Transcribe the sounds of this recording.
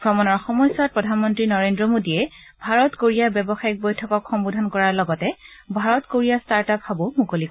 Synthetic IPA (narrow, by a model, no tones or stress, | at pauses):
pɹɔmɔnɔɹxɔmɔjsat̚pɹɔdʱanmɔntɹinɔɹendɹɔmodiɛ | bʱaɹɔtkoɹijabɛbɔxaik̚bojtʰɔkɔkxɔmbudʱankɔɹaɹlɔɡɔtɛbʱaɹɔtkoɹijastaɹtaphabomukolik